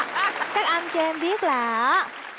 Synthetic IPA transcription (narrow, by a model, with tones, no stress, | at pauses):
kaː˦˥k̚ʔa˧jnt͡ɕɔ˧ʔɛ˧mɓi˦˥ət̚laː˨˩ʔ